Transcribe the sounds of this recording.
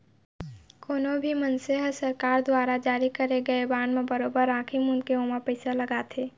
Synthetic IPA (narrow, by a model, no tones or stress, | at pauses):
koːnobʱimənseɦəsɐɾkaːɾd̪waːɾad͡ʒaːɾikɐɾeɡɐebãːnmẽbɐɾoːbəɾãːkʰɪmʊnkeoːmapəɪsalɐɡaːt̪ʰeː